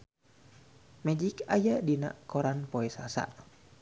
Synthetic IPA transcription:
mɛd͡ʒikajadina̰ʔkɔɾanpɔɛsasa̰ʔ

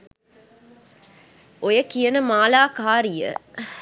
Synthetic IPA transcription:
ʔojəkijənəmaːlaːkaːɾijə̰

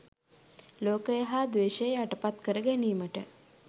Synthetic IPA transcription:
loːkəjəɦaːd̪ʋeːʃəjəaʈəpat̪kəɾəɡæniːməʈə

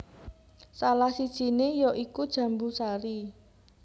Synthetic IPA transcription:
salahsid̥ʒ̥i̤nejɔʔikud̥ʒ̥ä̤mbusaɾi

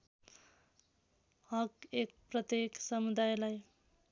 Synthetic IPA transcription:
ʌkek̚prʌt̪jeksʌmud̪ajlaj

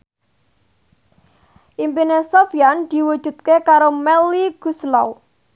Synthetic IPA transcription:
ʔimpinesofijand̪̥i̤wud̥ʒ̥ṳt̪̚kekaɾomɛliɡ̥uslɔw

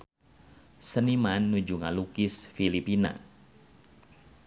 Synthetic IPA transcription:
sənimanːud͡ʒuŋa̰lukɪsfilipina̰

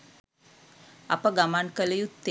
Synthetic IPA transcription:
apəɡamankələjut̪ːe

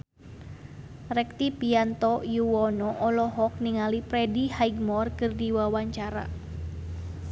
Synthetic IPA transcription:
rɛk̚t̪ipiant̪ɔjuwɔnɔʔɔlɔɦɔk̚niŋalipɾɛdihaiɡ̚mɔrkɨrdiwawaɲt͡ʃaɾa̰

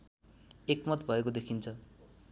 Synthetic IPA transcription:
ekmʌt̪bʱʌekod̪ekʰint͡sʰʌ

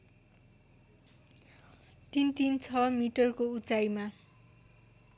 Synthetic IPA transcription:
t̪int̪int͡sʰʌmiʈʌrkout͡sajma

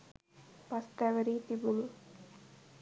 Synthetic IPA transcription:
pɐst̪ɐʋɐɾit̪ibulu

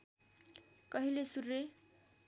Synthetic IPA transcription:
kʌɦilesurːe

